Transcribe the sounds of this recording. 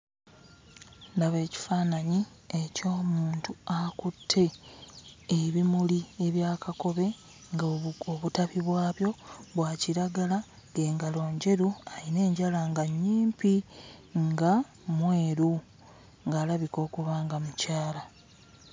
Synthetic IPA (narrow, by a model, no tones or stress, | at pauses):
ndaβe̞ːci̥faːnaɲi | eco̞ːmuːntuakutʰːe̞ː | βimulie̞βjaːkako̞βe̞ | ŋɡoβutaβiβwaːβjo̞βwaːciɾaɡala | ɡe̞ːŋɡalo̞ːɲɟe̞ɾuaine̞ːɲɟalaŋɡaɲːiːmpiŋɡa | mwe̞ːɾu | ŋɡaːlaβiko̞ːkuβaːŋɡamucaːla